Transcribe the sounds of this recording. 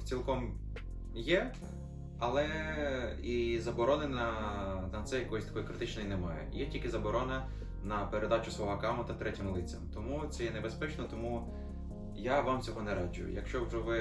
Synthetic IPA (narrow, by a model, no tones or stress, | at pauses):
t͡sʲilˠkɔm | jɛ | ɐlˠɛ | izɐbɔɾɔnɪnɐnɐt̪sɛjɐkɔjsʲt̪ɐ̥kɔjkɾɪt̪ɪt͡ʃnɔjnɛmɑjɛ̰jɛtʲilʲkʲɪzɐbɔɾɔnɐ | nɐpeɾed̪ɑt͡ʃʊsʋɔɦɔkɑmʊt̪ɐt̪ɾɛtʲimlˠɪt͡sʲːɐmt̪ɔmut̪sɛjɛnebespɛt͡ʃnɔt̪ɔmu | jaʋamt͡sʲɔɦɔnɛɾɑd͡ʒʊ̰jʊ̰jɐ̰kʃt͡ʃɔwʒɛʋɪ